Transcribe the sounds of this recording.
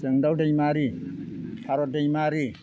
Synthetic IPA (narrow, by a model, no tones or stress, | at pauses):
səŋdawdejmaɾi | pʰaɾɔdejmaɾi